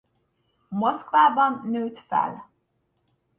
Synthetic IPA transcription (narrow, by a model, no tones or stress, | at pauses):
moskvaːbɒnːøːt̪fɛ̰l